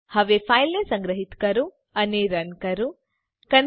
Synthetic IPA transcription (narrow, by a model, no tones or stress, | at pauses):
hɐʋepʰaːjlnesɐŋɡɾɐɦit̪kɐɾu | ɐneɾɐnkɐɾu | kɐn